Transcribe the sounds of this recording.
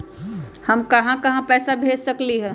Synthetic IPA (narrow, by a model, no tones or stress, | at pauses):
hɐmkɐɦãkɐɦãpɛːsabʱeːd͡ʒsɐkliɦɛː